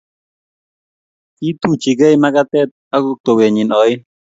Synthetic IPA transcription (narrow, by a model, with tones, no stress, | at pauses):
ki˦t̪u˦t͡ʃi˨ɡɛ˦jma˦ka˦t̪ɛ˦t̪̚a˦ɡʊ˦k̚t̪o˨we˨ɲɪ˨nɔ˨˦ɪ˦